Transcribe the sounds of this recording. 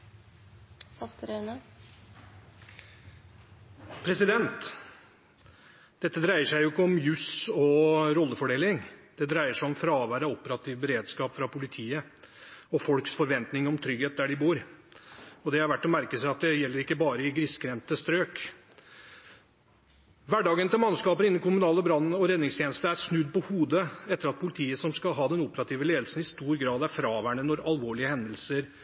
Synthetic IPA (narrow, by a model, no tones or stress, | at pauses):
fɑst̪ɾɛnə | pʰɾɛsɪd̪ɛnt̪ | d̪̥ɛt̪ːəd̪ɾæɪəʂæɪʊɪkːəɔmjʉsɔɾɔlːəfɔɖeːlɪŋd̪̥ɛd̪ɾæɪəʂæɪɔmfɾɑːʋæːɾəɔpəɾɑt̪ʰiːʋbəɾeːd̪skɑːpfɾɑpʰʊlɪt̪ʰiːə | ɔfɔlksfɔɾʋɛnt̪nɪŋɔmt̪ʰɾʏɡheːt̪̚d̪æɖɪbuːɾ | ɔd̪ɛæɾʋæʈːɔmæɾkəsæɪɑt̪̚d̪ɛjɛlːəɾɪkːəbɑːɾəɪɡɾɪskʰɾɛmt̪əst̪ɾøːk | ʋæɖɑːɡənt̪ɪlmɑnskɑːpənɪnːn̩kʰʊmʉnɑːləbɾɑnːɔɾɛd̪nɪŋst̪ʰjeːnəst̪əæɾsnʉd̪̚pɔhuːd̪əɛt̪ːəɾɑt̪̚pʰʊlɪt̪ʰiːəsɔmskɑlɦɑːd̪ɛnɔpəɾɑt̪ʰiːʋəleːd̪lsn̩ɪst̪uːɾɡɾɑːd̪æɾfɾɑːʋæːɳənɔɾɑlʋoːɭɪəhɛnd̪əlsəɾ